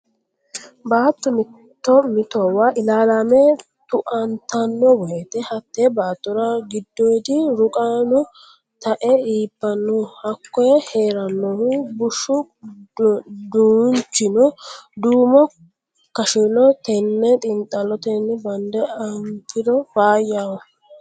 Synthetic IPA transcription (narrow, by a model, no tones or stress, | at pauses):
baːt̪ːɔmɪ | tt̪ːɔmɪt̪ɔwaʔɪlaːlaːmɛ | t̪ʊʔɐnt̪ɐnːɔbɔhɛt̪ɛhɐt̪ːɛbaːt̪ːɔɾɐɡɪd̪ːɔjd̪ɪɾʊkʼaːnɔ | t̪ɐʔɛiːpːɐnːɔhɐkːɔjɛheːɾɐnːɔhʊbʊʃːʊ | d̪uːnt͡ʃːɪnɔd̪uːmɔ | kɐʃɪnɔt̪ɛnːɛt̪ʼɪnt̪ʼːɐlɔt̪ɛnːɛbɐnd̪ɛɐŋkɪd̪ɔbaːjaɔ